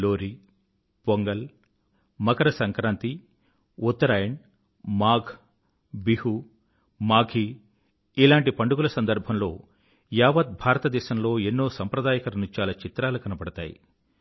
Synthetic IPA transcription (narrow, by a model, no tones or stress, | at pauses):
loːɾi | poŋɡɐl | mɐkɐɾɐsɐŋkɾaːnt̪i | ut̪ːɐɾaːjɐɳ | maːɡʰʱ | bihu | maːɡʱi | ilaːɳʈipɐɳɖuɡulɐsɐnd̪ɐɾbʱɐmlo̞ː | jaːʋɐt̪̚bʱaːɾɐt̪ɐd̪ɛːʃɐmlo̞ːenːoːsɐmpɾɐd̪aːjɐkɐɾɐnut͡ʃaːlɐt͡ʃit̪ɾaːlukɐnɐbɐɽɐt̪a̰ːjḭ